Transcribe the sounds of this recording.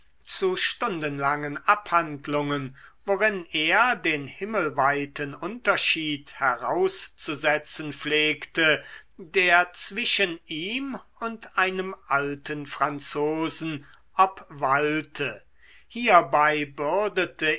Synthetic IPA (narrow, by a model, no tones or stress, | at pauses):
t͡suʃtʊndənlaŋənaphandlʊŋənvoʁɪneːɐdeːnhɪməlvaɪtənʊntɐʃiːthɛʁaʊst͡suzɛt͡sənfleːktədeːɐt͡sv̥ɪʃənʔiːmʊntʔaɪnəmʔaltənfʁ̥ant͡soːzn̩ | ʔapvaltʰə | hiːɐbaɪbʏɐdətə